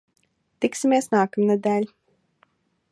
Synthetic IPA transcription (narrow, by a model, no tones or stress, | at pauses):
t̪iksimʲeɛsnaːkamnɛd̪ʲæːlʲi